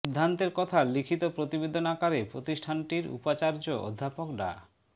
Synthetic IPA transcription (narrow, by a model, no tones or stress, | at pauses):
id̪ʱːant̪eɾkɔt̪ʰalikʰit̪opɾot̪ibed̪ʱonakaɾepɾot̪iʃʈʰanʈiɾṵpat͡ɕaɾd͡ʑoʔo̰d̪ʱːapokɖa̰